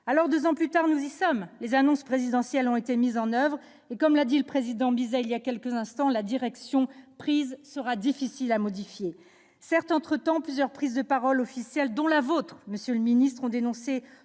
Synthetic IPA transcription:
alɔʁd̪øzɑ̃plyt̪aʁnuzisɔmlezanɔ̃spχezid̪ɑ̃sjɛlɔ̃et̪emizɑ̃nœvʁ | ekɔmlad̪iləpχezid̪ɑ̃bizɛiliakʲɛlkəzɛ̃st̪ɑ̃lad̪iʁɛksjɔ̃pχizsəʁad̪ifisilamɔd̪ifje | sɛʁt̪ɑ̃t̪χət̪ɑ̃plyzjœʁpχizd̪əpaʁɔlɔfisjɛld̪ɔ̃lavot̪χməsjøləminist̪χɔ̃d̪enɔ̃se

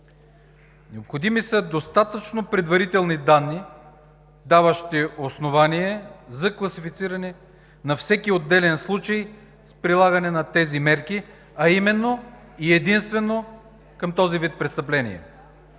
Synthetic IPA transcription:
nɛopxod̪imisəd̪ost̪at̪ət͡ʃnopɾɛd̪vɐɾit̪ɛlˠnid̪anːi | d̪avəʃt̪iosnovaniɛzɐklˠɐsifit̪siɾɐnɛ | nɐfsɛkiod̪ːɛlɛnslˠut͡ʃəj | spɾilˠaɡɐnɛnɐt̪ɛzimɛɾki | ɐimɛnːo | iɛd̪inst̪vɛnːo | kəmt̪ɔzivit̪̚pɾɛt̪st̪ɐplɛnḭɛ̰

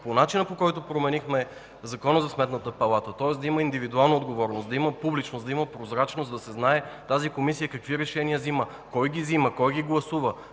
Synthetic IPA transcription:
ponat͡ʃinəpokɔjt̪opɾomɛnixmɛ | zɐkɔnəzɐsmɛt̪nət̪əpɐlˠat̪ət̪ɔɛsd̪ɐiməind̪ivid̪ualˠnəod̪ɡovɔɾnosd̪ɐiməpublit͡ʃnosd̪ɐiməpɾozɾat͡ʃnosd̪ɐsɛznaɛt̪azikomisijəkɐkviɾɛʃɛniəzimə | kɔjɡʲiziməkɔjɡiɡlˠɐsuvə

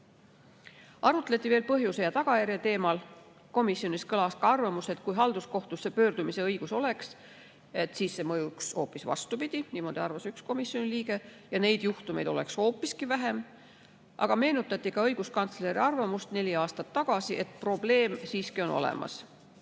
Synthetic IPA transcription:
ʔɑrut̪let̪ʲːˑiveːlpɤɦjuse̞jɑt̪ɑɡ̥ɑjæɾjɑt̪e̞ːmɑl | ko̞misːjo̞niskɤlɑskɑɑrvɑmuse̞t̪̚kujɦɑld̪̥usko̞ht̪usːepøːrd̪̥umise̞ɤjɡ̥uso̞le̞ks | e̞t̪siːsːe̞mɤjukso̞ːpːisvɑ̰st̪upid̪̥iniːmo̞d̪̥iɑrvɑsyksko̞misjo̞niliːɡe̞ | jɑne̞jd̪̥juht̪ume̞̰jd̪o̞le̞̰ksho̞ːpːˑiskivæɦe̞m | ʔɑ̰ɡ̥ɑme̞ːnut̪ːˑɑt̪ʲːˑikɑɤjɡ̥uskɑnt̪sle̞ɾiɑrvɑmust̪ne̞lʲiɑːst̪ɑt̪ːɑɡ̥ɑsiʔe̞t̪̚ˑpro̞b̥le̞ːmsiːskio̞no̰lḛmɑ̰s

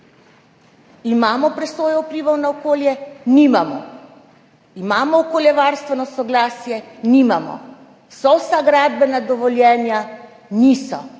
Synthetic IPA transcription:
imaːmɔpɾɛsoːjɔupɾiːʋawnaɔkoːljɛnimamɔ̰ | imaːmɔːkoːljɛʋaːɾst̪ʋɛnɔsɔɡlaːsjɛnimamɔ̰ | sɔwsaɡɾad̪bɛnad̪ɔʋɔljɛːnja | niːsɔ̰

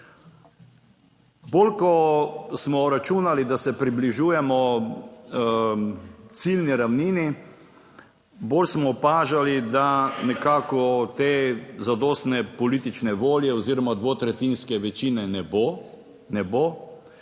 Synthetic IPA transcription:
bolkɔsmɔɾat͡ʃunalid̪asɛpɾibliʒuːjɛmɔ | t̪silniɾawniːni | boːlsmɔpaːʒalid̪anɛkaːkɔt̪ezad̪oːst̪nɛpɔliːt̪it͡ʃnɛʋoːljɛɔziːɾɔmad̪ʋot̪ɾɛt̪inskɛʋɛt͡ʃiːnɛnɛbo | nɛboː

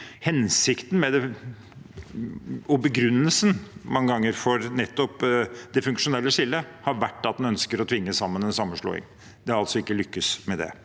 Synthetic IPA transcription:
hɛnsɪkt̪n̩mɛd̪ɛ | ɔbəɡɾʉnːəlsənmɑŋːəɡɑŋːəɾfɔɾnɛt̪ːɔpd̪ɛfʉŋkʂʊnɛlːəʂɪlːəhɑɾʋæʈːɑt̪̚d̪ɛnœnskəɾɔt̪ʰʋɪŋːəsɑmːənɛnsɑmːəʂɭo̰ːɪ̰ŋ | d̪̥ɛɑlt̪sɔɪkːəlʏkːəsmɛd̪ɛ̰

